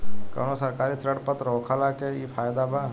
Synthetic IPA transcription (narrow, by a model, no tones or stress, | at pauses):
kɐ̰ʋnosɐɾkaːɾisɾəɽpət̪ɾoːkʰalakeiːpʰaːjd̪aba